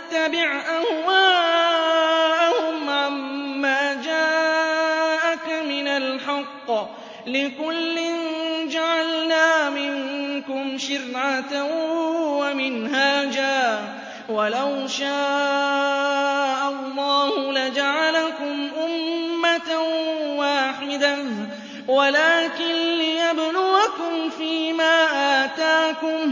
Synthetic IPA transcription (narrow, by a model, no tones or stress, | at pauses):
ʔat̪ːabɪʕʔahwaː | ʔahʊmʕamːaːd͡ʒaː | ʔakmɪnalħɑqː | lɪkʊlːɪnd͡ʒaʕalnaːmɪŋkʊmʃʊɾʕat̪a | wamɪnhaːd͡ʒaː | walawʃaː | ʔalːɑːhʊlad͡ʒaʕalakʊmʔʊmːat̪awaːħɪd̪a | walaːkɪnlɪjablʊakʊmfiːmaːʔaːt̪aːkʊm